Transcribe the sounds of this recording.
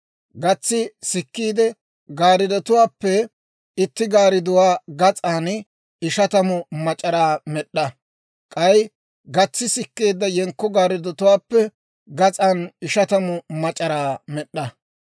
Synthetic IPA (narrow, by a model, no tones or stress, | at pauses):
ɡɐt͡sːɪsɪkːiːd̪ɛ | ɡaːɾɪd̪ɔt̪ʊwaːpːɛ | ɪt̪ːɪɡaːɾɪd̪ʊwaːɡɐt͡sʼaːn | ɪʃɐt̪ɐmʊmɐt͡ʃʼɐɾaːmɛɗːɐ | kʼɐj | ɡɐt͡sːɪsɪkːe̞ːd̪ːɐjɛŋkːɔɡaːɾɪd̪ɔt̪ʊwaːpːɛ | ɡɐt͡sʼaːnɪʃɐt̪ɐmʊmɐt͡ʃʼɐɾaːmɛɗːɐ